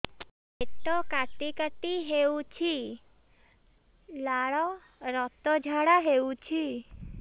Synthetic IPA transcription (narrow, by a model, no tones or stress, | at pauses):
eʈɔkaʈikaʈiɦewt͡ʃʰi | laɽɔ | ɾɔt̪ɔd͡ʒʱaɽaɦewt͡ʃʰi